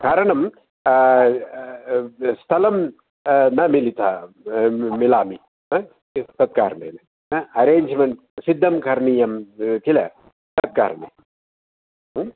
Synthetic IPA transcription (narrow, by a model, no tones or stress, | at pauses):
kaːɾɐɳɐm | st̪ʰɐlɐm | nɐmilit̪ʰɐ | milaːmi | ɐ | t̪ɐt̪̚ka̰ːɾɳḛːnɐ | ɐɐɾeːɲd͡ʒmɐɳʈ | sid̪ʱːɐmkɐɾɳiːjɐmkilɐ̰ | t̪ɐt̪̚ka̰ːɾɳḛ